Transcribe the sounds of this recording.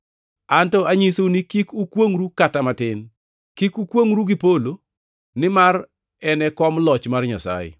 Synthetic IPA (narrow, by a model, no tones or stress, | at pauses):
antɔaɲisonikikukwoŋɾukatamatɪn | kikukwoŋɾuɡipolo | nɪmar | ɛnɛkɔmlɔt͡ʃmarɲasa̰jɪ̰